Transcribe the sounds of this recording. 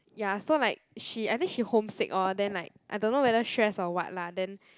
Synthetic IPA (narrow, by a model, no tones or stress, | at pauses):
jasolaɪk̚ʃiajt̪ĩŋʃihõmsɪ̰kɔdɛ̃nlaɪk̚ʔajdõnːowɛdəʃɹɛsɔwa̰t̚ladɛ̃n